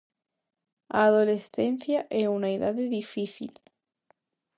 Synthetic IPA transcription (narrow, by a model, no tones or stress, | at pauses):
aðolesθen̟θjaʔeunaiðaðeðifiθḭl